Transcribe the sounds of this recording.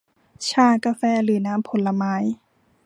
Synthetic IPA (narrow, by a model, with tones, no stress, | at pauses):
t͡ɕʰaː˧˩ka˧fɛː˧˥˩lɯː˩˦naː˦˥˨mpʰo˨˦lːa˧maː˧˥j